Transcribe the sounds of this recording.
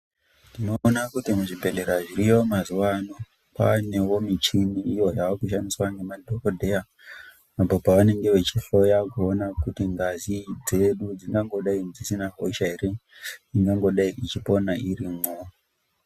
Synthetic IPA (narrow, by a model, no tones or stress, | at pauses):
nndinoːnakutimuʐibʱe̞le̞ɾaʐiɾijo̞mazuwano | pa̰ne̞womit͡ʃiniːjo̞jawakuʃandiswaŋɡe̞madʱokodʱe̞ja | apopaʋane̞ŋɡe̞ʋe̞t͡ʃiɬo̞jakuonakutiŋɡazid͡ze̞ɗud͡ziŋɡaŋɡo̞ɗaid͡zisinaɦoʃaeɾe | iŋɡaŋɡo̞ɗaiʔit͡ʃipo̞nairimo